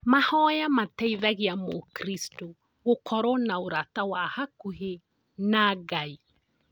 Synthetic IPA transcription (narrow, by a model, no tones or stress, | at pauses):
mahɔjamatɛiðaɣiamokɾistɔ | ɣokʰɔɾɔnaoɾatawahakuɦe | naɣai